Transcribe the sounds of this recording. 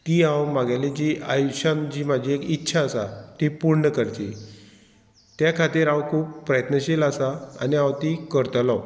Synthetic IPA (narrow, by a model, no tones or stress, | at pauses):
t̪iːãwmaɡaled͡ʑiajuɕand͡ʑiːmad͡ʑʱiekitːɕʰaəsat̪ipuɾɳəkəɾt͡ɕ̪i | t̪jakʰat̪iːɾãwkʰuːpːɾəjət̪nəɕelasaa̰niãwt̪iːkəɾt̪law